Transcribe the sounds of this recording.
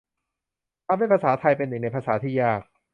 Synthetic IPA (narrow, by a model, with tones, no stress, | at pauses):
t̪ʰaː˧˩mha˥˩pʰaː˧saː˩˦t̪ʰa˧jpe˧nːɯ˨˩ŋna˧jpʰaː˧saː˩˦t̪ʰiː˥˩jaː˥˩k̚